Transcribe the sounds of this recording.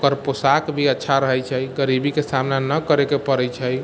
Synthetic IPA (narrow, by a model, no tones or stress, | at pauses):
okəɾposakbʱiətːʃʰaɾəɦɛjt͡ʃʰəjɡəɾibʱikesamnanəkəɾekepəɾɛjt͡ʃʰəj